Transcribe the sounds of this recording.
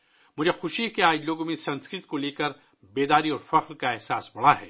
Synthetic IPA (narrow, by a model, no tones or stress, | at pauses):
mʊd͡ʒʱexʊʃikeaːd͡ʒloːɡõmẽsɐ̃nskɾɪt̪̚koleːkɐɾ | beːd̪aːɾiɔːɾfɐqɾkaɛːɦsaːsbɐɽ̤aɦɛ̰ː